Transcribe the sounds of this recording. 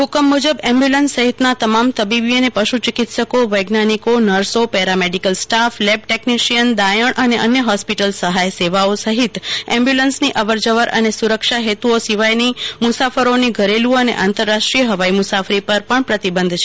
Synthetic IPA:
ɦʊkəmːud͡ʒəbɛ̃mbjulənsːəɦit̪nat̪əmamt̪əbibienepəʃut͡ʃɪkit̪səkoʋəjɡnanikonəɾsopɛɾameɖikəlsʈaflɛb̚ʈekniʃijənd̪ajəɳəneʔənjəɦɔspiʈəlsəɦajseʋaosəɦit̪ɛ̃mbjulənsniʔəʋəɾd͡ʒəʋəɾə̰nesuɾəkʃaɦet̪uosiʋajnimʊsafəɾoniɡʱəɾelũənḛʔãnt̪əɾːaʃʈɾiəɦəʋaimusafɾipəɾpəɳpɾət̪ibə̃nd̪ʱt͡ʃʰe

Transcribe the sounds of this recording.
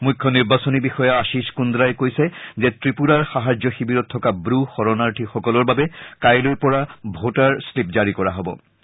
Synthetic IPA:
mujkʰːɔniɹbasɔnibixɔjaaʃiskund̪ɾajkojsɛzɛtɹipuɾaɹxaɦad͡ʑɔxibiɹɔtʰːɔkabɾuxɔɹɔnaɹʈʰixɔkɔlɔɹbabɛkajlojpɔɹabʱotaɹslip̚zaɹikɔɹa̰ɦɔbɔ̰

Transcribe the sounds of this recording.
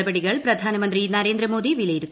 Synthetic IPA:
ɐbɐɽiɣɐɭpɾɐd̪ʱaːnɐmɐnd̪rinɐɾeːnd̪ɾɐmoːðiʋilɐjɪɾɯt̪ː

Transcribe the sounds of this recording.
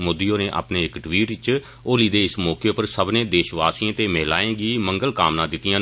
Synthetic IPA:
mod̪ijõːneːʔa̰ːpneːɪkʈʋiːʈɪt͡ʃ | oːliːd̪eːɪsmɔːkeːopəɾsəbnẽːd̪eːʃʋaːsiãːt̪eːmɛːla̰ːẽːɡiːməŋɡəlkaːmnãːd̪ɪt̪ːɪjãː

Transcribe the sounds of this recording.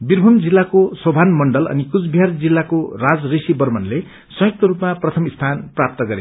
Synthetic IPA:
birbʱumd͡zilːakosʌbʱanmʌɳɖʌlʌ̰nikut͡sbʱjard͡zilːakorad͡zrisibʌrmʌnle | sʌ̃jʌk̚t̪ʌɾupmaprʌt̪ʰʌmist̪ʰanprap̚t̪ʌɡʌɾe

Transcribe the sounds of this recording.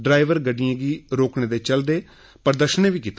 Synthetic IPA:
ɖɾaːɪʋəɾɡəɖijãːɡiːɾoːkɳeːd̪eːt͡ʃəld̪eː | pəɾd̪əʃənẽːʋiːkit̪ː

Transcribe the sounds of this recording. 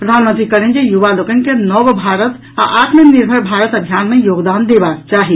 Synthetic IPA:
pɾəd̪ʱanmənt̪ɾikəɾend͡ʒejuʋalokənkenɔʋbʱaɾət̪ | a̰ʔaʈʰmeniɾbʱəɾbʱaɾət̪əbʱijanmejoɡd̪and̪ebakt͡ʃaɦi

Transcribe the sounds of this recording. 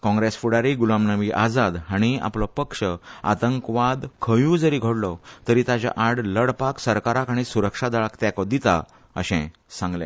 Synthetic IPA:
kɔ̃ŋɡɾesfuɽaɾiɡulamnaʋiʔad͡zad̪aɽ̃ia̰plɔpəkʂəa̰t̪əŋkʋad̪kʰəjũːd͡zəɾiːɡʱoɽlɔt̪əɾiːt̪at͡ɕa̰ʔaɽləɽpaksəɾkaɾakaɽ̃isuɾəkʂad̪aɭakt̪jakɔd̪it̪a̰ | ə̰ɕɛ̰̃ | sãŋɡlɛ̰̃

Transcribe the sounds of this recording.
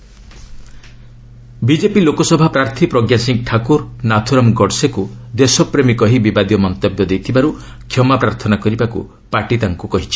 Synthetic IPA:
bid͡ʒepilokɔsɔbʱapɾaɾt̪ʰipɾɔɡjasiŋk̚ʈʰakuɾnat̪ʰuɾɔmɡɔɖsekud̪esɔpɾemikɔɦibibad̪jɔmɔnt̪ɔbjɔd̪ejt̪ʰibaɾu | kʰjɔmapɾaɾt̪ʰɔnakɔɾibakṵ | paʈit̪aŋkukɔɦit͡ʃʰi̥

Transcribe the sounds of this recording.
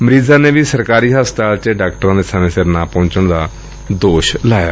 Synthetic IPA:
məɾiːzãːneːʋiːsəɾkaːɾiːɦaːst̪aːlt͡ʃəɖaːk̚ʈəɾãːd̪eːsəmẽːsɪɾnaːpɔ̃ːt͡ʃəɳd̪aː | d̪oːʃlaːja̰ː

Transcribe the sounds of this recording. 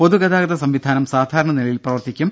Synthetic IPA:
po̞ðuɡɐðaːɡɐðɐsɐmʋid̪ʱaːnɐmsaːd̪ʱaːɾɐɳɐnilɐjilprɐʋɐrt̪ikʲːum

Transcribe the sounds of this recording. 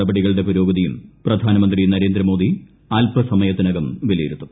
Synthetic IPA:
ɐbɐɽiɣɐɭɨɽe̞puɾo̞ːɡɐðijumprɐd̪ʱaːnɐmɐnd̪rinɐɾe̞ːnd̪ɾɐmo̞ːd̪i | aːlpʰɐsɐmɐjɐt̪ːinɐɣɐmʋilɐjiɾunːu

